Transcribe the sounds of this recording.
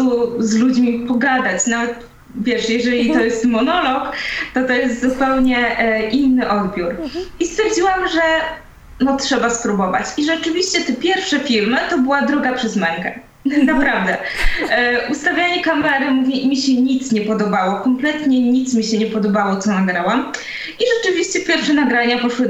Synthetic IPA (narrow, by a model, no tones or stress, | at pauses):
uzlud͡ʑmʲipɔɡad̪at͡ɕnavɛt̪ | vʲjɛʂjɛʐɛlʲit̪ɔjɛst̪mɔnɔlɔkt̪ɔt̪ɔjɛst̪zupɛwɲɛʔʔinːɘʔɔd̪bʲjuɾist̪fʲjɛɾd͡ʑiwamʐɛ | nɔtʂɛbaspɾubɔva̰t͡ɕiʐɛt͡ʂɘvʲiɕt͡ɕɛt̪ɛpʲjɛɾfʂɛfʲiɾmɘt̪ɔbɘwad̪ɾuɡapʂɛzmɛŋkɛ | napɾavd̪ɛ | ʔust̪avʲjaɲɛkamɛɾɘmuvʲjɛimʲiɕɛɲit̪sɲɛpɔd̪ɔbawɔkɔmplɛt̪ɲɛɲit̪smʲiɕɛɲɛpɔd̪ɔbawɔt̪sɔnaɡɾawam | iʐɛt͡ʂɘvʲiɕt͡ɕɛpʲjɛɾfʂɛnaɡɾaɲapɔʂwɘ